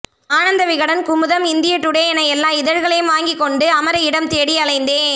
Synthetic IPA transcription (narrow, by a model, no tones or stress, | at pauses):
aːɳɐnd̪ɐʋɪɣɐɽɐnkʊmɯðɐmɪnd̪ɪjɐʈ̪ːʊɽeːɐnɐjɛlːãːɪðɐɻɣɐɭɐjɯmʋaːŋɡɪkːɔɳɖɯɐmɐɾɐɪɽɐmt̪eːɽɪɐɭɐɪnd̪eː